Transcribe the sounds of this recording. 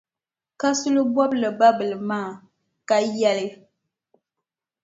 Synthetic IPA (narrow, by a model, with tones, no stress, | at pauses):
ka˦sʊ˦lɨ˦bwɔ˦blɨ˨ba˦bɨ˨lɨ˨maː˦˨ | ka˦jɛ˦lɪ˦